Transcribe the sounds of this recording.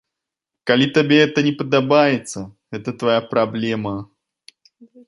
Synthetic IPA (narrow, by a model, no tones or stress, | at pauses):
kalʲit̪abʲeɛt̪ənʲɪpəd̪abajɛt̪sə | ɛt̪ət̪vajapɾablʲɛmɐ